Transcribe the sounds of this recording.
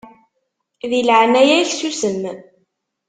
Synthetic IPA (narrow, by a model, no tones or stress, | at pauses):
ðilʕnæjæçsusənː